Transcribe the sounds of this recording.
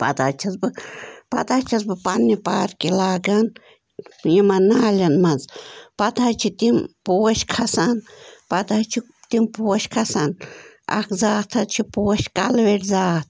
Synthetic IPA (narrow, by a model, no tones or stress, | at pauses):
pɐ̰t̪at͡ʃʰɐzbɨpɐ̰t̪at͡ʃʰɐzbɨpanːipaːɾkilaːɡɐn | jimɐnaːlʲɐnmɐzpɐt̪at͡ʃʰit̪impuwɐʃkʰɐsanpɐt̪at͡ʃʰi | t̪impuwɐʃkʰɐsana̰kʰzaːt̪ʰɐt͡ʃʰipuwɐʃkalweʈzaːt̪̚ʰ